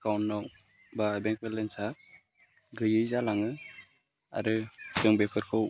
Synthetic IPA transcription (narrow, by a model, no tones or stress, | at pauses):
kawnːɔw | babɛŋk̚bɛlɛnsa | ɡɯjɯjzalaŋɯ | a̰ɾɯsɯŋbɛkʰɯɾkʰɯw